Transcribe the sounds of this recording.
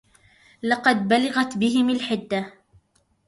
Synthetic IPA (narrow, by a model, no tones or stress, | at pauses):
lɑqɑd̪balɪɣat̪bɪɦɪmalħɪd̪ːa